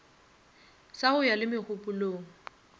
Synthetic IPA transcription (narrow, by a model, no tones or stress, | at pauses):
sahʊjalɪmɪχʊpuloːŋ̩